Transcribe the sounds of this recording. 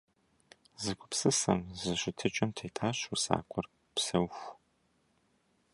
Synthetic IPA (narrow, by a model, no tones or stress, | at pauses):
zɨkʷʊ̥psɨsɐ̰mzɨɕɪtʰɨt͡ʃʼɐmtʰeːtʰʼaːɕusa̰ːqʷʰʼɔr | psɐwxʷ